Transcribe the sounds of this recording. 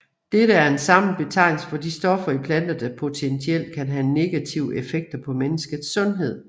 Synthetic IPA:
d̥eɾəæɐe̝nsɑ̈mn̩b̥e̝t͡sʰɑ̈ɪ̰nl̩səfɒ̽d̥isd̥ɒ̽fɐipʰlæn̰d̥ɐd̥əpʰo̝t͡sʰent͡sʰiel̰d̥̚kʰænɦæne̝ɡ̥æt͡sʰiʊəʔefeɡ̥̚d̥ɐpʰɒ̽menəsɡ̥ð̩ˠsːɔ̽nɦe̝ð̞̰ˠ

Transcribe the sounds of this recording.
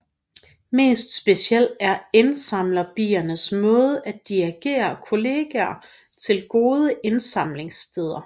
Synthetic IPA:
me̝̰ːsd̥sb̥e̝siel̰æɐe̝nsɑ̈m̰lɐb̥ḭːɐnəsmɔ̽ːð̞ˠəæ̥iæɡ̥e̝̰ːɐkʰo̝le̝ːɡ̥ɛɐ | t͡sʰe̝lɡ̥o̝ːð̞ˠəʔe̝nsɑ̈mle̝ŋsd̥ʰeð̞ˠɐ

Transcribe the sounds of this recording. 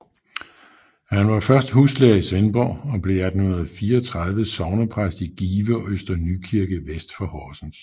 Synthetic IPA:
hænʋɑ̈fɶɐsd̥husleːɐisʋenb̥ɒ̰ːɒ̽b̥le̝æd̥n̩hunɐð̩ˠfiːɐɒt͡sʰʁað̞ˠʋəsɒʊnɐpʰʁasd̥iɡ̥iːʋəɒøsd̥ɐnykʰiɐɡ̥əʋesd̥fɒ̽hɒːsn̩s

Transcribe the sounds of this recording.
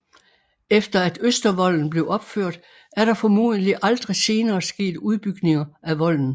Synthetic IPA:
efd̥ɐæd̥øsd̥ɐʋɒ̽l̰n̩b̥le̝ʊɒ̽b̥føɐ̰d̥ | æɐɾ̥ɑ̈fɒmṵːð̩ˠəliʔɑ̈ld̥ʁise̝ːnɐːsɡ̥e̝̰ːd̥uð̞ˠb̥yɡ̥ne̝ŋɐæʋɒ̽l̰n̩

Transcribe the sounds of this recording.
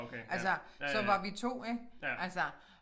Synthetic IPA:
kʔælsəsɒ̽ʋɑ̈ʋit͡sʰo̝̰ːeɡ̥ʔælsə

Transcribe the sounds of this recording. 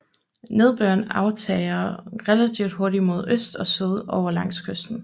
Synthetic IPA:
ne̝ð̞ˠb̥øɐnɑ̈ʊt͡sʰɛ̰ːɪɐʁɛlæt͡sʰiʊd̥hoɐɾimo̝ð̞ˠøsd̥ɒ̽syð̞ˠɒʊɐlɑ̈ŋ̰skʰøsd̥n̩

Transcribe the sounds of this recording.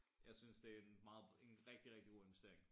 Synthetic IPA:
jɑ̈ɪsynsd̥e̝æenmɑ̈ːð̩ˠe̝nʁɛɡ̥d̥iʁɛɡ̥̚diɡ̥o̝̰ːe̝nʋesd̥e̝ɐeŋ

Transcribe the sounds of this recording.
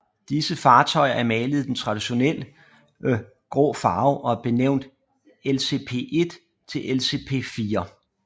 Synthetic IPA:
d̥isəfɑ̈ːt͡sʰɒ̽ɪ̰ɐʔæɐmɛːləð̩ˠd̥ent͡sʰʁɑ̈d̥iɕo̝nel̰ə | ɡ̥ʁɔ̰ːfɑ̈ːʊʔɒ̽b̥e̝neʊ̰nd̥ | else̝̰ːpʰe̝̰ːʔe̝d̥ | t͡sʰe̝lʔelse̝̰pʰe̝̰ːfiːɐ

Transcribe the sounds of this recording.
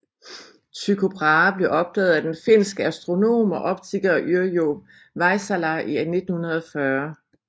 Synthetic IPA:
sʰykʰo̝b̥ʰʁɑ̈ːb̥le̝ʔɒ̽b̥̚d̥ɛːð̞̩ˠæd̥enfe̝n̰sɡ̥əæsd̥ʁo̝no̝̰ːmɒ̽ʔɒ̽b̥̚t͡sʰiɡ̥ɐɒʔyɐjo | ʋɑ̈ɪsælæʔiæne̝d̥̚n̩hunɐð̞ˠɒ̽fɶɐ

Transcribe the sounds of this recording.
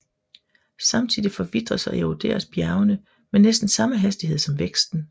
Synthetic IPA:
sɑ̈mt͡sʰið̰ˠifɒ̽ʋid̥ʁɐsɒ̽eod̥e̝̰ːɐsb̥jæɐʊnə | menesd̥n̩sɑ̈məɦæsd̥iɦe̝ð̰ˠsɒ̽mʋeɡ̥sd̥n̩

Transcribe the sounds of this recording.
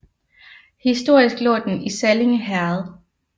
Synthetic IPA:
hisd̥o̝ɐ̰isɡ̥lɔ̰̽ːd̥enisæleŋəɦæɐð̩ˠ

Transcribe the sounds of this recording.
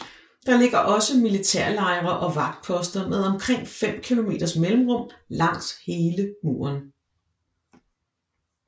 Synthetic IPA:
d̥ɑ̈le̝ɡ̥ɐʔɒ̽səmilit͡sʰɛɐ̰lɑ̈ɪʁɐʔɒ̽ʋɑ̈ɡ̥̚d̥̚pʰɒ̽sd̥ɐmeðˠɒ̽mkʰʁeŋ̰fem̰kʰilo̝me̝̰ːd̥ɐsmelm̩ʁɔ̽m̰lɑ̈ŋ̰she̝ːləmṵːɐn

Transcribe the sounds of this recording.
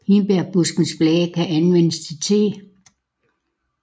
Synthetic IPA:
inb̥eɐ̰b̥usɡ̥n̩sb̥lɛːðəkʰæʔænʋenəst͡sʰit͡sʰe̝

